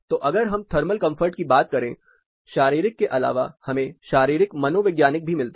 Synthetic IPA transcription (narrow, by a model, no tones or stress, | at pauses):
t̪oʔɐɡəɾɦɐ̃mt̪ʰɐɾməlkɐ̃mfʰəɾʈkibaːt̪̚kɐɾẽː | ʃaːɾiːɾɪkːeʔɐla̰ːʋa̰hɐmẽʃaːɾiːɾɪkmɐnoʋɪɡjaːnɪk̚bʱimɪlt̪a